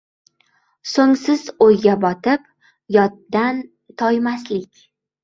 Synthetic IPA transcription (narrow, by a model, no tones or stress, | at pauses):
soŋsɪzojɡʲabɒt̪ʰɪp | jɒt̪̚ːan | t̪ʰɒjmaslɪkʲ